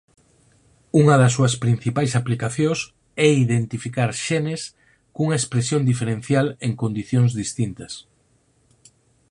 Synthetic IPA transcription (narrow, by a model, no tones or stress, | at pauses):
uŋɐðɐsːuɐspɾin̟θipajsaplikaθjõŋs | ɛiðent̪ifikaɾʃɛnes | kuŋɐespɾesjõnd̪ifeɾẽnθjaleŋkond̪iθjõŋzðist̪int̪ɐs